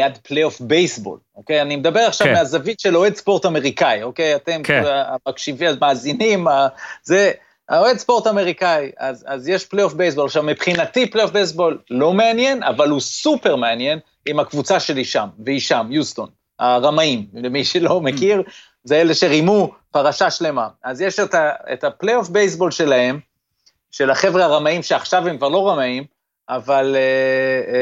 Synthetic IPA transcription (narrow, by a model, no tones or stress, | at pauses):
jad̪plejofbejsbo̞̰loke̞janimed̪abe̞ʁaχʃavvmeazavit̪ʃeloedspo̞ʁtame̞ʁikaio̞kejate̞mkamakʃiviamaːzinimaze | aoedspo̞ʁtame̞ʁikaiazazjeʃplejofbejsbo̞laχʃavmipχinatiplejofbejs̬bo̞lːo̞me̞anje̞na̰valhusupe̞ʁmeanje̞n | imhakvut͡saʃe̞liʃamveiʃamjust̪o̞n | aʁamaimemiʃelo̞mekiʁ | zeele̞ʃe̞ʁimu | paʁaʃaʃle̞maazjeʃetaḛtaplejofbejsbo̞lʃe̞lae̞m | ʃe̞laχe̞vʁeaʁamaimʃeaχʃavhemkvaʁlo̞ʁamaim | ʔavale